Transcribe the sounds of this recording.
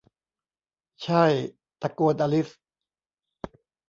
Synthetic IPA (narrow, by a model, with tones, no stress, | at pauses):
t͡ɕʰa˥˩j | t̪a˧ku˧nʔa˧li˦˥s